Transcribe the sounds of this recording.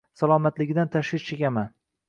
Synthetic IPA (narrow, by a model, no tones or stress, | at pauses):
salˠɒmat̪lɪɡʲɪd̪ant̪ʰaʃwɪkt͡ʃʰekʲaman